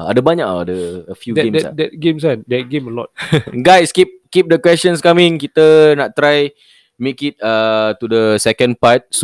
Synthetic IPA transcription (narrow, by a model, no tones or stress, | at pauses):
a̰dabaɲaʔadəəfjuɡɛẽmdɛsa̰dɛt̚ɡẽms̬andɛt̚ɡẽməlɔ̰t̚ɡajskip̚kip̚dəkwɛst͡ʃənskamĩŋkit̪ənaʔt̪ːɾaj | mekit̪̚at̪udəsɛkə̃npat̪̚s